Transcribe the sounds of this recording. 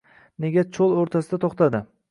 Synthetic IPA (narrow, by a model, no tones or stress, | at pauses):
ne̞ɡʲat͡ʃʰolˠoɾt̪ʰasɪd̪at̪ʰoχt̪ʰad̪ɪ